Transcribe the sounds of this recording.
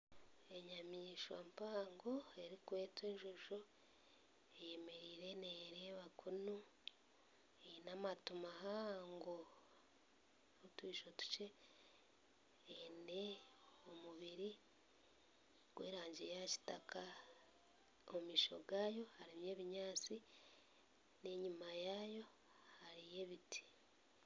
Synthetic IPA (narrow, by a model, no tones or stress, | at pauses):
e̞ɲamiːʃwa̰mpaːŋɡoe̞ɾikwe̞ːtweɲʒuʒo | eje̞me̞ɾiːɾe̞neɾeβakʰunu | enamatumaɦaŋɡo | utwiːʃo̞tu̥ce̞ | ene̞ | omuβiɾi | ɡ̥wḛːɾaːɲɟe̞jaci̥takʰa | omiːʃo̞̰ɡaːjo̞haɾimje̞ːβiɲaːt͡si | ne̞ɲumajaːjo̞ | haɾije̞βiti̥